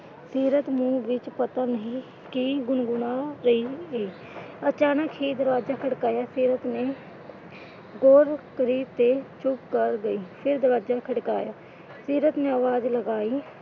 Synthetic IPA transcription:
siːɾət̪mũːʋɪt͡ʃpət̪aːnəɦĩː | kiɡʊnɡʊnaːɾəiːeː | ət͡ʃaːnəkɦiːd̪əɾʋaːd͡ʒaːkʰəɽkaːjaːsiːɾət̪neː | ɡoːɾkəɾiːt̪eːt͡ʃʰʊpkəɾɡəiːpʰɪɾd̪əɾʋaːd͡ʒaːkʰəɽkaːjaː | siːɾət̪nẽːəʋaːd͡ʒləɡaːiː

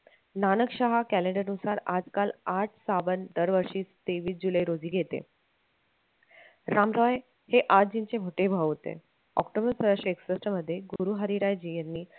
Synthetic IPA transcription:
nanəkɕaɦakælẽɳɖəɾnusaɾad͡zkalaʈʰsaʋənd̪əɾʋəɾʂiːst̪eʋiːs̬d͡ʑuləjɾod͡ziːɡʱet̪ḛ | ɾamɾɔj | heʔadd͡ʑiɲt͡semʱoʈebʱaʋt̪ḛ | ɔ̰kʈobəɾsəɾaʂeksəsʈəməd̪ʱːjeɡuɾuːɦəɾiɾajd͡ʑijenːiː

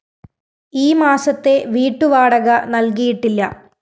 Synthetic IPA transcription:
iːmaːsɐt̪ːe̞ʋiːʈːuʋaːɽɐɣɐnɐlkijiʈːilːɐ̰

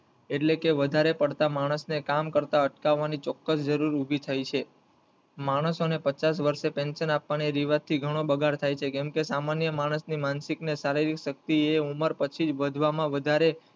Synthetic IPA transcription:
eʈlekeʋəd̪ʱaɾepəɽt̪amaɽ̃əsnekamkəɾt̪aəʈkaʋːanit͡ʃɔkːəsd͡ʒəɾuɾubʱit̪ʰajt͡ʃʰe | maɽ̃əsonepət͡ʃas̬ʋəɾʃepɛ̃nsənapʋaneɾiʋat̪ʰiɡʱəɽ̃obəɡʱaɾt̪ʰajt͡ʃʰekɛmkesamanjəmaɽ̃əsnimansiknesaɾiɾikʃək̚t̪ieuməɾpət͡ʃʰid͡ʒʋəd̪ʱʋamãʋəd̪ʱaɾe

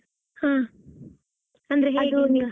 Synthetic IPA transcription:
hãː | ɐnd̪ɾeɦeɐd̪uniɡɐ

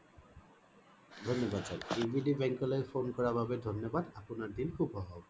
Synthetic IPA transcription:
d̪ʱonːɔbad̪saibʱiɖibɛŋkɔlojfonkɔɹababed̪ʱonːɔbad̪apunaɹd̪inkʰubʱɔɦɔ

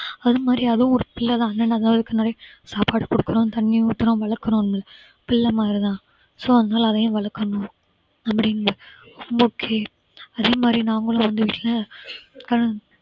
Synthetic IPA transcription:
ɐðɯmaːd̪ɾiɐðɐʊ̃ɔɾɯpɪɭːɐðãːɐnːɐnːɐɐðɐnaːlɯkːɐnaːɾisaːpaːɽɯkːɔɽɯkːɯɾõːt̪ɐɳːĩʊt̪ːɪɾõʋɐɭɐɾkːɯɾõnɐmɐlɐ | pɪɭːɐmaːd̪ɾit̪ãː | soːɐðɐnaːlɐðɐjʊ̃ʋɐɭɐɾkːɐnʊ̃ | ɐpːɐɽɪnːɯɔmbɐːkʰːeː | ɐðeːmaːd̪ɾinãːŋɡɐɭʊ̃ʋɐnd̪ɯʋiːʈːɪlɐkɐɯ

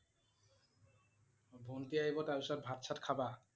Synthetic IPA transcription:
bʱunt̪iajbot̪aɾuʃaɾbʱat̪̚t͡ɕʰaʈkʰaba

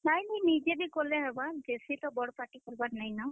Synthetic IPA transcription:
najninid͡ʒebikolɛɦebad͡ʒesit̪ɔbɔɽɔpaʈikɔɾibanajnɔ

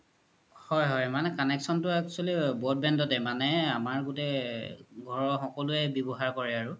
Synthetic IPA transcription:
hɔjɦɔjmanɛkanɛksɔntʊakt͡ʃalibɔt̚bɛndɔtɛmanɛamaɹɡutɛ | ɡʱɔɹɔxɔkɔluɛbjɔbɔɦaɹkɔɹɛaɹʊ

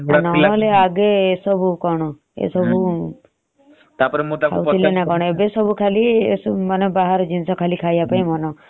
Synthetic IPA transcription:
nɔɔleaɡeːsɔbukɔɳ̃ɔ | ḛsɔbu | t̪apɾot̪ka̰w̪ʰilenakɔɽ̃ɔebesɔbukʰaliḛmanɔbaɦaɾd͡ʒinsɔkʰalikʰajapaĩmɔnɔ

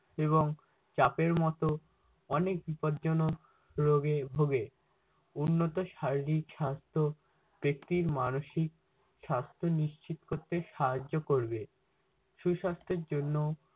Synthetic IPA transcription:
eβoŋ | t͡ɕapeɾmɔt̪o | ɔnek̚bipod̪d͡ʑono | ɾoɡebʱoɡe | unːot̪oʃaɾiɾikʃast̪ʰo | b̥ek̚t̪iɾmanoʃik̚ | ʃast̪ʰoniʃt͡ɕit̪o̥koɾt̪eʃaɦad͡ʑːokoɾbe | ʃuʃast̪ʰeɾd͡ʑonːo

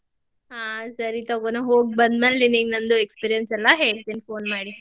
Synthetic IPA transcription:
ɦaːsɐɾit̪ɐɡonuɦoːɡ̚bɐnd̪meːlːiniːɡnɐnd̪uekspiːɾijɐnsɛlːɐɦeːɭt̪inipoːnmaːɽi

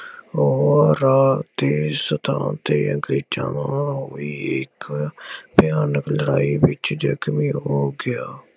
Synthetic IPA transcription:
oːɾaːt̪eːsət̪ʰã̰ːt̪eːəɡɾeːt͡ʃã̰ːnãːɦoːiːɪk | bɪjaːnəkləɾaːiːbɪt͡ʃd͡ʒəkmiːɦoːɡɪjaː

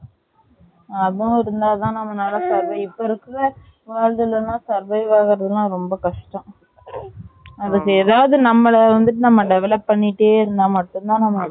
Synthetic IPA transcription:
ɐðʊ̃ɪɾɯnd̪aːt̪ãːnɐmːɐnaːlɐsɐɾʋɐɪɪpːoɪɾɯkːɯʋɐ | ʋaːɻd̪ɪlɐnãːsɐɾʋɐɪʋaːɣɪɾɐðɯlãːɾɔmbɐkɐʂʈɐ̃ | ɐðɯkːɯɛːðaːʋɐðɯnɐmːɐɭɐʋɐnd̪ɯʈɯnɐmːɐɖɛʋɛlɐpːɐɳːɪʈːeːɪɾɯnd̪ãːmɐʈːʊ̃nt̪ãːnɐmːɐ

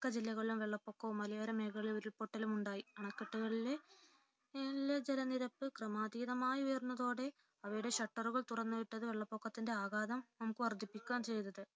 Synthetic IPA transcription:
kːɐd͡ʑilːɐɣɐɭilumʋe̞ɭːɐpːo̞ːkːɐʋumːɐlɐjaːɾɐmeːɣɐɭiloɾuɭpo̞ʈːɐlumuɳɖaːjiɐɳɐkːiʈːuɣɐɭile̞ | elːed͡ʑelɐniɾɐpːɨkrɐmaːd̪iːðɐmaːjiujɐrunːɐðo̞ːɽe̞ | ɐʋɐjuɽe̞ɕɐʈːɐruɣɐɭt̪urɐnːɨʋiʈːɐðɨʋe̞ɭːɐpːo̞ːkːɐt̪ːinde̞aːɣaːd̪ɐmnɐmukːɨʋɐrd̪ʱipːikʲːaːnt͡ɕe̞jt̪ɐðɨ

